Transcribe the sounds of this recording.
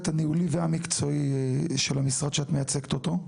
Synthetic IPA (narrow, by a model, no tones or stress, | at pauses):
t̪aniuliveamikt͡soiʃelamisʁad̪ʃeat̪mejat͡sektot̪o̞